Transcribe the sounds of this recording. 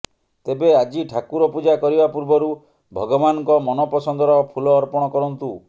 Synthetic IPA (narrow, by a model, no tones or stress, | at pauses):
t̪ebead͡ʒiʈʰakuɾɔpud͡ʒakɔɾibapuɾbɔɾu | bʱɔɡɔbanɔŋkɔmɔnɔpɔsɔnd̪ɔɾɔpʰulɔːɾpɔɽ̃ɔkɔɾɔnt̪u